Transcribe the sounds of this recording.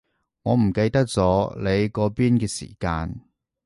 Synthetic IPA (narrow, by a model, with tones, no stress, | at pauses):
ŋɔː˨˧m̩˨˩kɐ˧jt̪ɐ˥k̚t͡sɔː˨˥le˨˧jkɔː˨˥piː˥nkɛː˧sḭː˨˩kaː˧n